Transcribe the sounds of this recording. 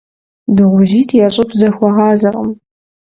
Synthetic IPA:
dɨʁʷʊʒiːtʰjaːɕʼɪfʰzɐxʷɔʁɑːzɐrɐm

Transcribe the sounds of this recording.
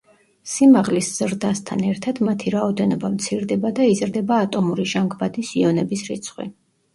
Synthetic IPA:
simaʁlisz̥ɾd̪ast̪ʰa̰nɛɾt̪ʰad̪mat̪ʰiɾaɔd̪ɛnɔbamt̪sʰiɾd̪ɛbad̪aizɾd̪ɛbaːt̪ʼɔmuɾiʒaŋɡvad̪isiɔnɛbisɾit̪sʰχwḭ

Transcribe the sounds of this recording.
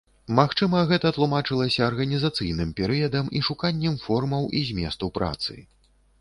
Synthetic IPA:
maxt͡ʂɨmɐɣɛt̪ɐt̪lˠumat͡ʂɨlˠɐsʲɐːrɣɐnʲizat̪sɨjn̪ɨmpʲɛɾɨjɐd̪ɐmiʂukanʲːɛmfɔrmɐwʔizʲmʲɛ̰st̪ɐwpɾʔa̰t̪sɨ̰

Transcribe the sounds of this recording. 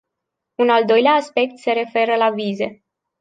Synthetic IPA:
unald̪o̞jleaːspe̞k̚t̪se̞ɾe̞fe̞ɾəlavize̞

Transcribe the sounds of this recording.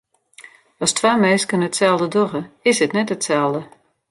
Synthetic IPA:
ɔstʰwaːmɛskənətsɛlˠdədoɣəɪsətnɛtətsɛlˠdə

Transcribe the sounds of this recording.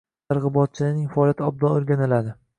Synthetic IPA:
ɑɾʁɨbɒt̪̚t͡ʃʰɪlɪnɪŋʲfaɒljat̪ʰɪɒb̚d̪ɒoɾɡʲanɪlad̪ɪ

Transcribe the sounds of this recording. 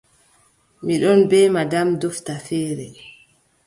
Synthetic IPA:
miɗɔnbɛːmadamdɔftafɛːɾɛ

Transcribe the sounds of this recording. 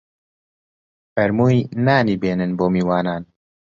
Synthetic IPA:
fɛɾmuːjnaːniːbeːnɨnboːmiːwaːnaːn

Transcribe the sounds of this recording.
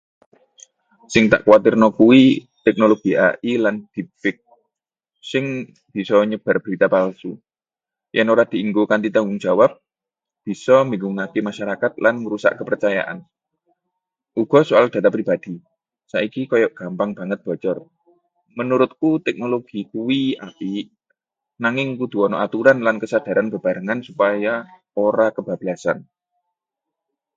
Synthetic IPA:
sɪŋt̪a̰ʔkwat̪ɪrnɔkuwi | t̪ɛk̚noloɡ̥ia̰ʔiland̪̥ipɪk̚ | sɪŋ | b̥i̤sɔɲəb̥arb̥əɾit̪apalsu | jʔɛnoɾad̪̥i̤iŋɡokant̪it̪aŋɡʊŋ̥d͡ʒ̥awap̚ | b̥i̤sɔmiŋɡuŋakemaʃaɾakat̪̚lanməɾusa̰ʔkəpərt͡ʃaja̰ʔa̰n | ʔuɡ̥ɔ̤soald̪̥ä̤t̪apɾib̥ad̪̥i̤ | sa̰ʔikikɔjɔʔɡ̥ampaŋb̥a̤ŋət̪̚b̥ɔ̤t͡ʃɔr | mənuɾʊt̪̚kut̪ɛk̚noloɡ̥i̤kuwia̰pi | naŋɪŋkud̪̥ṳɔnɔʔat̪uɾanlankəsad̪̥a̤ɾanb̥a̤b̥aɾəŋansupaja | oɾakəb̥a̤b̥ilasa̰n

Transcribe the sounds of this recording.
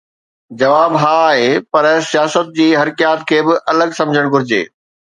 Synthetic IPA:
d͡ʑɐʋaːbɦaːɦeːpɐɾsijaːsət̪̚d͡ʑiːɦɐɾɪkjaːt̪kʰeːbɪʔɐləɡsɐ̃md͡ʑʱəɽ̃ɡʊɾɪd͡ʑḛː

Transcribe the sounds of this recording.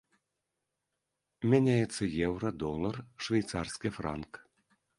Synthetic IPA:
mʲænʲajɛt̪sːɐjɛwrɐd̪ɔlˠɐrʂvʲɛjt̪sarskʲifra̰nk

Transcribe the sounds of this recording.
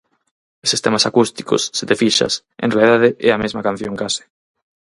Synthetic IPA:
esist̪emasakust̪i̥ko̰sːet̪efiʃa̰s | ʔḛ̃nrealiðaðeʔɛamezmakãn̟θjoŋkasɪ̥

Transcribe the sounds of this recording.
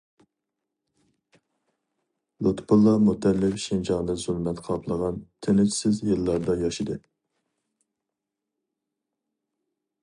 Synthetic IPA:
lut̪ʰpulˠːɑmut̪ːɛlːɪfʃind͡ʒɑŋd̪ɨzulˠmɛt̪qʰɑpʰlˠəʁɑnt̪ʰenɪt͡ʃʰsɪzjɨlˠːɑɾd̪ɑjɑʃid̪ɨ

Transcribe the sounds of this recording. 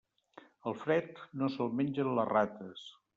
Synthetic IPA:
əlˠfɾɛt̪nosəlˠmenʲd͡ʒənlərat̪əs

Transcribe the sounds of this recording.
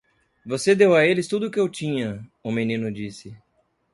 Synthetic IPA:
vosed̪ewɐelɪst̪ud̪ʊkɪewt͡ʃĩɲɐumenĩnʊd͡ʒisɪ

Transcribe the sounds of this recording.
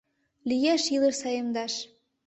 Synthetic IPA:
lijæʃilə̆ʃsɑjɤ̆md̪ɑʃ

